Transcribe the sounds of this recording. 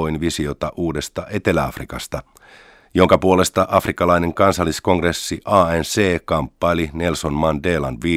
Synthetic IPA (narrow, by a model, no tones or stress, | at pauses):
oinʋisiot̪ɑʔuːde̞st̪ɑʔe̞t̪elæɑ̰frikɑst̪ɑ | jo̞ŋkɑpuole̞st̪ɑʔɑfrikːɑlɑine̞ŋkɑnsɑlːisko̞ŋɡresːiʔɑːenseːkɑmpːɑline̞lsonmɑndeːlɑ̰nʋiː